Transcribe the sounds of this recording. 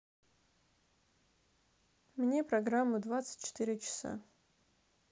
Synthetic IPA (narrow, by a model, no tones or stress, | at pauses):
mnʲe̞prɐɡramːʊd̪vat̪sɨ̥tʲt͡ʃːɪ̥t̪ɨɾʲɪt͡ʃɪ̥sa̰